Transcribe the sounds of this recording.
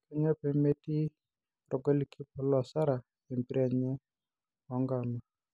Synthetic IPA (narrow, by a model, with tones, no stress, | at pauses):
kɛ˦ɲɛ˦pe˨me˦ti˦ | ɾɔ˨ɡo˦li˨kʰi˦pʊ˨lɔ˨sa˦ɾa˨ | e˨mbi˦ɾa˨ɲɛ˦ | ɔ˨˦ŋɡa˨na˨